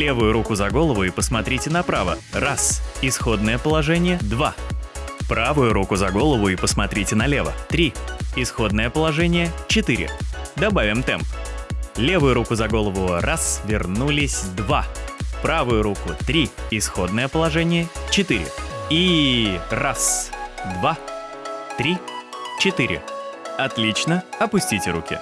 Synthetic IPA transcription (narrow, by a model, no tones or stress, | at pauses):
lʲe̞vʊjʊɾukʊzɐɡo̞lˠəvʊipəsmɐt̪ɾʲitʲɪnɐpɾavə̰rasɪsxo̞d̪nəjəpəlˠɐʐɛnʲɪjəd̪va | pɾavʊjʊɾukʊzɐɡo̞lˠəvʊipəsmɐt̪ɾʲitʲɪnɐlʲevə̰t̪ɾʲiɪsxo̞d̪nəjəpəlˠɐʐɛnʲɪjət͡ɕɪt̪ɨɾʲɪ̰d̪ɐbavʲɪmt̪ɛmplʲevʊjʊɾukʊzɐɡo̞lˠəvʊrasvʲɪrnulʲɪsʲd̪vapɾavʊjʊɾukʊt̪ɾʲiɪsxo̞d̪̚nəjəpəlˠɐʐɛnʲɪjət͡ɕɪt̪ɨɾʲɪ̰i | rasd̪va | t̪ɾʲit͡ɕɪt̪ɨɾʲɪ̰ɐt̪lʲit͡ɕnəɐpʊsʲtʲitʲɪɾukʲɪ̰